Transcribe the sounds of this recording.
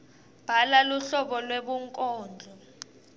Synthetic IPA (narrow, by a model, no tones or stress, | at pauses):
b̥ʱalaluɬɔɓɔlweɓuŋkʼɔːnd͡ɮʱɔ